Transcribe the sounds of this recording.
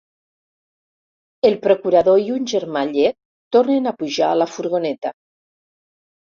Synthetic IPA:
elˠpɾokuɾaðoiunʲʒeɾmaʎet | t̪ːoɾnenapuʒaːləfuɾɣonɛt̪a

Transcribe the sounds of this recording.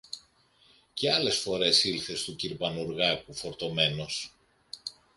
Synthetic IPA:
ceɐle̞sfo̞ɾe̞silθe̞st̪uciɾpɐnuɾɣɐkufo̞ɾt̪o̞me̞no̞s

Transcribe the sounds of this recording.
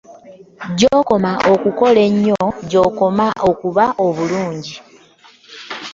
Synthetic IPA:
ɟoːko̞maʔokuko̞le̞ɲːoɟo̞ːko̞maʔo̞kuβaʔo̞βuluːɲɟi

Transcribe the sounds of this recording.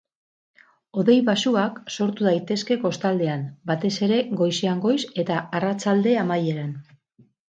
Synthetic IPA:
o̞ðe̞jβasuakso̞ɾt̪uðajt̪e̞ske̞ko̞st̪ald̪e̞anbat̪e̞se̞ɾe̞ɡo̞jseaŋɡo̞jse̞t̪aarat͡ʃald̪e̞amaje̞ɾan

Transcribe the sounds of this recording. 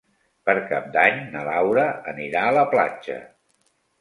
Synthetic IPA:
pəɾkap̚d̪aɲnəlawɾəəniɾaələpla̰d͡ʒə̰

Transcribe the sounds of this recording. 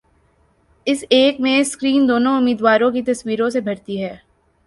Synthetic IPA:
ɪseːkmẽskɾiːnd̪oːnõʊmiːd̪waːɾõkit̪ɐswiːɾõsebʱɐɽt̪iɦɛː

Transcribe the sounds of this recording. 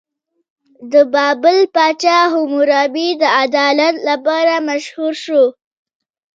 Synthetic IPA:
d̪əbɑbəlpɑt͡ʃɑɦumʊɾɑbid̪əad̪ɑlat̪lapɑɾamaʃhuɾʃo

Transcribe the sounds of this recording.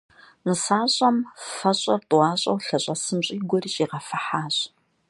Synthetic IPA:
nɨsaːɕʼɐmfɐɕʼɐrtʼwɑːɕʼɐ̰wɬɐɕʼɐsɨmɕʼiːɡʷɔriːɕʼiːʁɐfɐħaːɕʼ

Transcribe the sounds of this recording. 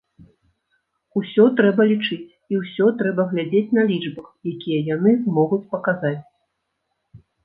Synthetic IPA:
usʲɔt̪ɾɛbɐlʲit͡ʂɨt͡sʲ | iwsʲɔt̪ɾɛbɐɣlʲad͡zʲet͡sʲnɐlʲid͡ʐbɐxjakʲijɐjanɨzmɔɣut͡sʲpɐkazat͡sʲ

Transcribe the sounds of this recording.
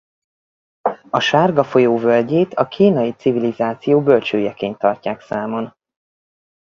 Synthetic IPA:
ɒʃaːrɡɒfo̞joːvølɟeːt̪ʰɒkʰiːnɒjit̪sivilizaːt̪sijoːbølt͡ʃøːjɛkeːnt̪ːɒrcaːksaːmo̞n

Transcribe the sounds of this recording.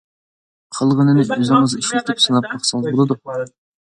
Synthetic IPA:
qʰəlˠʁənɨnɨʔøzɪŋɨziʃlʲɪkʲt̪ʰɪpsɨnɑp̚mɑχsɑzbolˠɨd̪u

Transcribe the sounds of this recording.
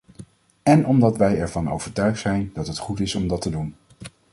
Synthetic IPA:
ɛnɔmdɑtʋɛjɛɹvɑno̰wvəɹtœɥχtsɛjndɑtɦətχutɪsɔmdɑtədun

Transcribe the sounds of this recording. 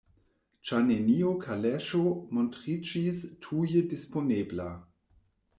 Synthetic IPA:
t͡ʃaneniokʰaleʃomontʁid͡ʒistʰujədisponebla

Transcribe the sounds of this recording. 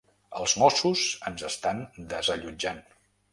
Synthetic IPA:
ə̰lˠzmɔsuzənzəst̪and̪əzəʎud͡ʒan

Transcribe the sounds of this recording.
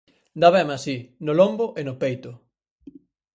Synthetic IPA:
d̪aβɛmasinolomboʔenopejt̪ʊ

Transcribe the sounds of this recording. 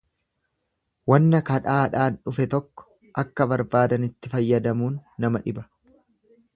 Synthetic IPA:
wɐnːɐkɐᶑaːᶑaːnᶑʊfɛt̪ɔkːɔ̥ | ʔɐkːɐbɐɾbaːd̪ɐnɪt̪ːɪfɐjːɐd̪ɐmuːnːɐmɐᶑɪbɐ

